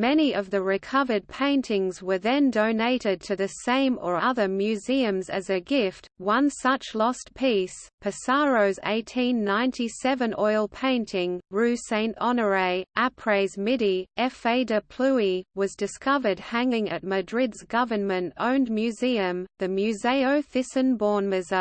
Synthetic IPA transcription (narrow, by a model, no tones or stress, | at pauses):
mɛñiʔʌvðɨɹɨkʰʌvə˞d̚pʰẽɪ̃ntʰɪ̃ŋzwə˞ðɨ̃ndõʊneɪɾɨd̚tʰɨðɨsẽɪ̃mə˞ʌðə˞mjʉziɨ̃mzɨzɨɡɪft̚wʌ̃nsʌt͡ʃlɔstpʰispʰɨsɑɹoʊzḛɪtʰĩnːãɪ̃ntʰisɛvɨ̃nʔɔɪlˠpʰẽɪ̃ntʰɪ̃ŋɹʉsẽɪ̃ntɑnə˞eɪʔæpʰɹ̥eɪzmɪɾiʔɛfeɪdɨpʰl̥ʉiwʌzdɨskʌvə˞d̚hæ̃ŋɪ̃ŋɨ̰t̚mɨdɹɪdzɡʌvə˞nmɨ̃ntõ̰ʊ̃nmjʉziɨ̃mðɨmjʉzeɪoʊθɪsɨ̃nbɔɹnmɨzə